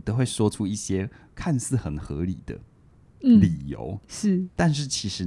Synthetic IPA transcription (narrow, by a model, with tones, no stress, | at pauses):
t̪ə˧˦xwe˥˩ɪʂwɔ˥ʈ͡ʂʰu˥i˥˩ɕjɛ˥kʰa˥˧nsɹ̩˥˩xə˨˩nxɤ˧˦li˨˩d̪̥ə̰˦˥ | li˨˩jo̰˧˥ʊʂɻ̩˥˩t̪a˥˧nʂ̬ɻ̩˥˩t͡ɕʰi˧˥ʂɻ̩˨˧˦